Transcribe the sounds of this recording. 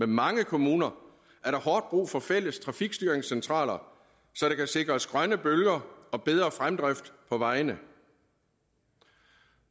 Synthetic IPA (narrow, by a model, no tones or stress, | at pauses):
memɑ̈ŋəkʰo̝muːnɐ | ʔæɐɾ̥ɑ̈hɒːd̥̚b̥ʁṵːfɒ̽fel̰əst͡sʰʁɑ̈fiɡ̥sd̥yɐeŋsent͡sʰʁɑ̰̈ːlɐ | sɒ̽ɾ̥ekʰæse̝ɡ̥ʁɐɒsɡ̥ʁɶnəb̥ølɡ̥ɐɒ̽b̥eð̞ˠʁɐfʁamd̥ʁafd̥pʰɒ̽ʋɑ̈ɪnə